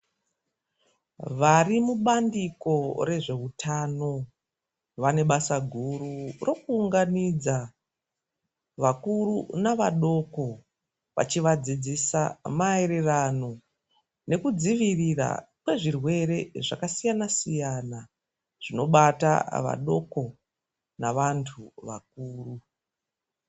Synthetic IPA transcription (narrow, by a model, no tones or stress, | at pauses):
ʋarimuɓandiko̞re̞ʐe̞utʰano̞ | ʋane̞ɓasaɡʱururo̞kuːŋɡanid͡za | ʋakurunaʋaɗo̞ko̞ | ʋa̰t͡ʃiʋad͡zid͡zisamae̞ɾe̞rano̞ | ne̞kud͡ziʋirira̰kwe̞ʐirwe̞ɾe̞ʐakasijanasijana | ʐ̥ino̞ɓata̰ʋa̰ɗo̞ko̞ | naʋantʰuʋa̰k̚uːru